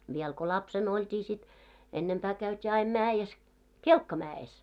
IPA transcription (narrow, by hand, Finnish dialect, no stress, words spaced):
ʋiɛl ko lɑpsen oltʲiː sit enːempæː kæytʲiː ɑim mæːjes kelkːɑmæːes